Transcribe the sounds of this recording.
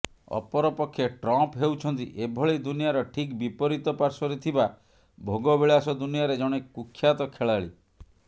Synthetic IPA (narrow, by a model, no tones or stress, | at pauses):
ɔ̰pɔɾɔpɔkʰːjeʈɾɔmpɦewt͡ʃʰɔnt̪ḭʔebʱɔɭid̪unijaɾɔʈʰikbipɔɾit̪ɔpaɾsɔɾet̪ʰiba | bʱoɡɔbeɭasɔd̪unijaɾed͡ʒɔɽ̃eukʰːjat̪ɔkʰeɭaɭi